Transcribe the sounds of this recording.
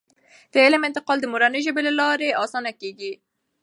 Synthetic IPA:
d̪̥əɪlɪmɪnt̪ɪqɑld̪əmoɾanəʒəbelalɑɾeɑsɑnakeɡi

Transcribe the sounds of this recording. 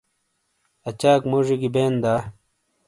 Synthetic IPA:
ɐt͡ɕaːkmoːʐiɡibeːnd̪aː

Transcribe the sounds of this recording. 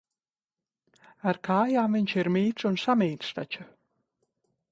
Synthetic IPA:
aɾkaːjaːmviɲʲt͡ʃiɾmiːt̪sunsamiːt̪st̪at͡ʃa

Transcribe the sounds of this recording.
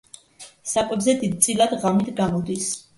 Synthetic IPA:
sakʼwɛbzɛd̪id̪̚t̪sʼilˠad̪ʁamit̪ʰɡamɔd̪is

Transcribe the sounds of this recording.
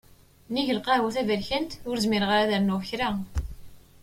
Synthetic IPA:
niʝəlqɑɾwæθævəɾçənt̪ʊɾzmɪɾʁaɾæðəɾnuçɾa

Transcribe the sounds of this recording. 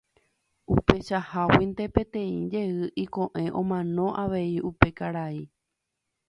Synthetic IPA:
upe̞ʃahawind̪e̞pẽ̞t̪ẽ̞ḭ̃d͡ʒe̞ɨʔikõ̞ʔẽ̞ʔõmãnõ̞ʔaʋe̞iʔupe̞kaɾai

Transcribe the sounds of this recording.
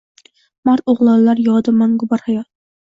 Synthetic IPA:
mɑɾt̪oʁlˠɑllːaɾjɒd̪amaŋɡʊbɑɾhajɒt̪̚

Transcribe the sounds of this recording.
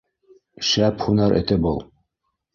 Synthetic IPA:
ʃæpχunɑɾʔɘ̰̆t̪ɘpulˠ

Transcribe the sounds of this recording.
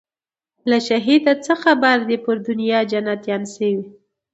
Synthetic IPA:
laʃaɦid̪at͡səxabaɾd̪epəɾd̪ʊnjɑd͡ʒanat̪jɑnsəwi

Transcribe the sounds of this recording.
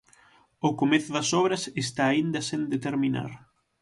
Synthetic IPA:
ʊkomeθʊðɐsɔβɾɐsest̪aːind̪ɐsẽnd̪et̪eɾmina̰ɾ

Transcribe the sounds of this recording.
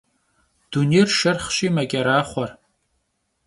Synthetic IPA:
d̥unejrʃɐrχʃimaɡʲʼaɾaːχʷar

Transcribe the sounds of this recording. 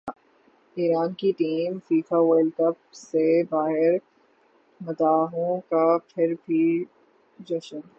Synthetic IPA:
iːɾaːnkiʈiːmfiːfaʋeːlkəp̚sebaːɦɪɾ | mɐt̪aːɦõkapʰɪɾbʱi | d͡ʒɐʃən

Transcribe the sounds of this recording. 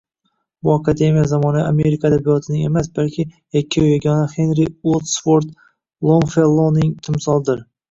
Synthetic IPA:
bʊakʰad̪e̞mijazamɒnaame̞ɾɪkʰad̪abijɒt̪ʰɪnɪŋe̞masbalkʲʰɪjakʲʰːaʊjaɡʲɒnahe̞nɾɪot̪sfoɾt̪ | lˠonfelˠːonɪŋt̪ʰɪmsɒlˠd̪ɪɾ

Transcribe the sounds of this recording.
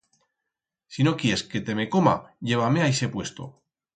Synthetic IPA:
sino̞kjeeske̞t̪e̞me̞ko̞ma̰ʝe̞β̞ame̞ajse̞pwe̞st̪o̞̰

